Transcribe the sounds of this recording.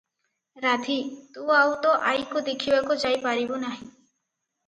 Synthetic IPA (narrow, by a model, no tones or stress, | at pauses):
ɾad̪ʱit̪uawt̪ɔʔajkod̪ekʰibakod͡ʒajpaɾibonaɦĩ